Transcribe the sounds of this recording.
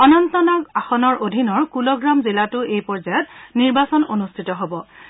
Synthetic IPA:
ɔnɔntɔnakaxɔnɔɹʔodʱinɔɹkulɔɡɹamzilatʊʔejpɔɹzajɔtniɹbasɔnonustʰitɔɦobɔ

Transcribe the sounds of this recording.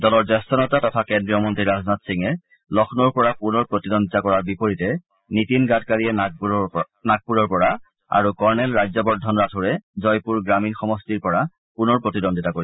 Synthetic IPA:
dɔlɔɹzɛstɔnɔtatɔtʰakɛndɹijɔmɔntɹiɹaznatsiŋɛ | lɔxʰnɔɹpɔɹapunɔɹpɹotidɔndʱitakɔɹaɹbipoɹitɛ | nitinɡatkaɹiɛ | nak̚puɹɔɹpɔɹa | a̰ɹukɔɹnɛlɹajzɔbɔɹdʱːɔnɹatʰʊɹɛzɔjpuɹɡɹaminxɔmɔstiɹpɔɹa | punɔɹpɹotidondʱitakoɹi

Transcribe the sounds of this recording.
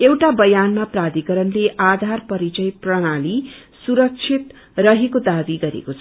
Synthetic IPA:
ewʈabʌjanmaprad̪ikʌɾʌnleʔad̪ʱarpʌɾit͡sʌjprʌɽ̃ali | suɾʌk̚t͡sʰit̪ | rʌɦekod̪abiɡʌɾḛkot͡sʰʌ

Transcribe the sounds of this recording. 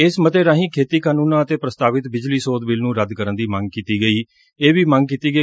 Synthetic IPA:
ɪsmət̪eːɾãːɦĩːkʰeːt̪iːkaːnũːnãːət̪eːpɾəst̪aːʋɪt̪bɪd͡ʒliːsoːd̪bɪlnũːɾəd̪kəɾənd̪iːmə̃ŋɡ̚kiːt̪iːɡəiː | eːʋiːmə̃ŋɡ̚kiːt̪iːɡə

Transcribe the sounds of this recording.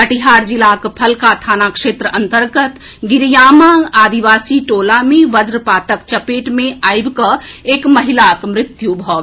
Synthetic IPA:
ɐʈiɦaːɾd͡ʒɪlaːkpʰɐlkat̪ʰaːnakʃeːt̪ɾəʔɐ̃nt̪əɾɡət̪ | ɡɪɾjaːmaːaːd̪iʋaːsiʈoːlamẽʋɐzɾəpaːt̪əkt͡ʃɐpeːʈmẽaːɪbkəeːkmɐɦɪlaːkmɾɪt̪jubʱɔː

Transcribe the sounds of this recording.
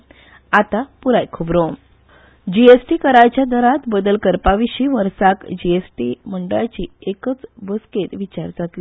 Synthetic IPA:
at̪apuɾajkʰubɾom | d͡ʑiesʈikəɾajt͡ɕjad̪əɾat̪bəd̪əlkəɾpaʋiɕiːʋəɾsakd͡ʑiesʈim̤əɳɖəɭat͡ɕiːekət͡sbəsket̪ʋit͡ɕaɾd͡zat̪li

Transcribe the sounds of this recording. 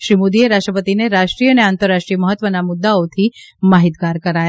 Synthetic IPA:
ʃɾimud̪ieɾaʃʈɾəpət̪ineɾaʃʈɾiːəneãnt̪əɾːaʃʈɾijəməɦət̪ʋənamʊd̪ːaot̪ʰimaɦit̪ɡaɾkəɾaja

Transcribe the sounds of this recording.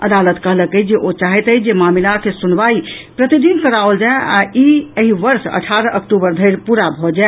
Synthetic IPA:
ə̰d̪alət̪kəɦləkəd͡ʒeʔot͡ʃaɦɛt̪əd͡ʒemamilakesunʋaipɾət̪id̪inkəɾaold͡ʒaea̰iəɦiʋəɾsə̰ʈʰaɾəʔəkʈubəɾd̪ʱəɪɾpuɾabʱɔd͡ʒae

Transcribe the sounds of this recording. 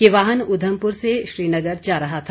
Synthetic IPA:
kiʋaːɦənʊd̪ʱəmpʊɾseʃɾiːnɐɡəɾd͡ʒaːɾɐɦat̪ʰa

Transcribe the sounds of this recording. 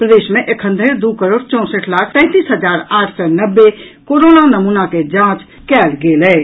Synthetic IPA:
pɾəd̪eːsmẽʔekʰə̃nd̪ʱəɾd̪ukəɾoːɽt͡ʃɔ̃ːsəʈʰlakʰt̪ɛ̃ːt̪iːsɦəd͡ʒaɾaːʈʰsɛnəbːekoɾonanəmunaked͡ʒãt͡ʃ | kɛːlɡelɛː

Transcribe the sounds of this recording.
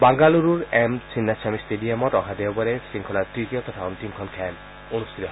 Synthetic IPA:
baŋɡaluɾuɾemt͡ɕʰinːat͡ɕʰamisʈeɖiamotɔɦʰad̪eobɔɾesiŋkʰɔlaɾt̪ɾit̪iot̪ɔt̪ʰaunt̪iŋkʰɔnkʰɛl | onust̪ʰit̪oɦ

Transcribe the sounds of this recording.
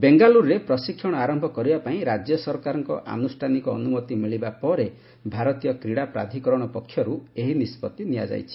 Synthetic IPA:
beŋɡaluɾːepɾɔsikʰjɔɽ̃ɔaɾɔmbʱɔkɔɾibapaĩɾad͡ʒjɔsɔɾkaɾɔŋkɔ̰ʔa̰nusʈʰanikɔ̰ːnumɔt̪imiɭibapɔɾe | bʱaɾɔt̪ijɔkɾiɽapɾa̰d̪ʱikɔɾɔɽ̃ɔpɔkʰːjɔɾueɦinispɔt̪ːinija̰d͡ʒa̰jt͡ʃʰi̥

